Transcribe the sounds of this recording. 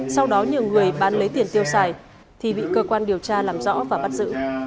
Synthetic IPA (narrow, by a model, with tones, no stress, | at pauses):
sa˧wɗɔ˨˦ɲɨ˨˩əwŋɨ˨˩əjɓaː˨˦nlə˨˦jt̪i˨˩ənt̪i˧əwsaː˨˩j | t̪ʰi˨˩ɓḭ˧˨kəː˧kwaː˧nɗi˨˩əwt͡ɕaː˧laː˨˩mzɔ̰˧˥vaː˨˩ɓa˦˥t̚z̥ɨ̰˧˥